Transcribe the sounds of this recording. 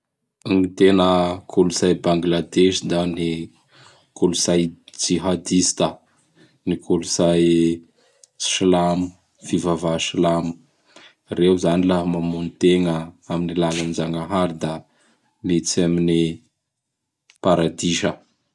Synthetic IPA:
nit̪enəkʰuluzajbaŋɡlad̪eʃid̪ani | kuluzajd͡ʒiɦad̪ist̪ə | nikʰuluzaj | ʃilamu | v̥ivavaʃilamu̥ | rewzanilaɦmamunit̪eŋəaminilalanid͡ʒaŋaɦaɾid̪a | met͡samini | paɾad̪iʃə

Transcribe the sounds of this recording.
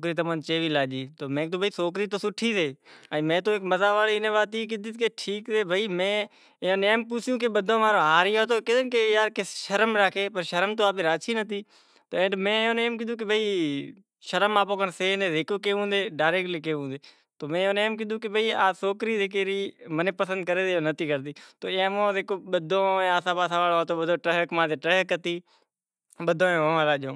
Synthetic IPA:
okɾiːt̪̬əmãːnt͡ʃeːʋiːlaːd͡ʒiːt̪oːmẽːt̪oːbʱəiːsoːk̬ɾiːt̪oːsʊʈʰːiːseːəmẽːt̪oːeːkməzaːʋaːliːɪnẽːʋaːt̪iːk̬ɪd̪iːt̪keʈʰiːkseːbʱaːiːmẽː | oːneːmpʊsɪjũːkeɓəd̪ʱõːʋaːɾoːɦaːɾɪjoːt̪oːkɪd̪ənkejaːɾkeʃəɾmɾaːkʰeːpəɾʃəɾəmt̪oːaːpeːɾaːt͡ʃʰiːnət̪iː | t̪oːẽːɳʈmẽːõːneːmk̬ɪũːk̬ebʱaiː | ʃəɾəmaːpoːkənseːnẽːzekoːkeːɦũːnd̪eːɖaːɪɾeːk̚ʈleːk̬eːɦũːnd̪eː | t̪oːmẽːoːneːmkɪ̃nd̪ũːk̬ɪbʱəiːaːsoːkɾiːd͡ʒeːk̬eːɾiːmənẽːpəsə̃nd̪̚kəɾeːd̪eoːnət̪ʰiːkəɾt̪iːt̪oːãːmõːzeːkoːɓəd̪ʱõːeːaːsãːpaːsãːʋaːloaːt̪oːɓəd̪õːʈəɦkmãːeːʈɾəɦkət̪iː | ɓəd̪ʱõːẽːʋoːʋãːlaːõː

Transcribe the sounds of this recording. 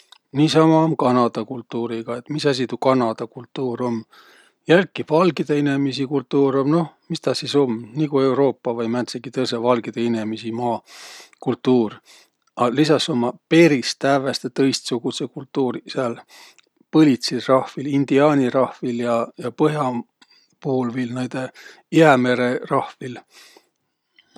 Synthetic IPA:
niːsɑmɑomkɑnɑd̪̥ɑkult̪ːuːɾiɡ̥ɑe̞t̪ːˑmisæs̬it̪ukɑnɑd̪̥ɑkult̪ˑːuːɾo̞m | jælkːˑivɑlɡid̪̥eine̞mis̬ikult̪ˑːuːɾomno̞hmist̪ɑsiso̞mnikue̞wɾo̞ːpːɑvɑjmæt̪seɡ̥it̪ɤls̬evɑlɡ̥id̪̥einemisimɑːkult̪ːuːr | ɑlisɑso̞mɑpe̞ɾist̪ævest̪et̪ɤ̞jst̪suɡ̥usekult̪ːuːɾiseɑl | pɤlʲit̪sirɑhvilind̪̥iɑːnʲirɑhviljɑjɑpɤɦjɑ | puhulvilnæjd̪̥e̞ | iæme̞ɾe̞rɑhvil

